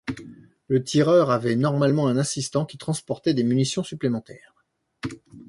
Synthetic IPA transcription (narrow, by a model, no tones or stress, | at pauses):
lət̪ʰiʁœʁavɛnɔʁmalmɑ̃ɛ̃nasist̪ɑ̃kʲi̥t̪χɑ̃spɔʁt̪ɛd̪emynisjɔ̃syplemɑ̃t̪ɛːʁ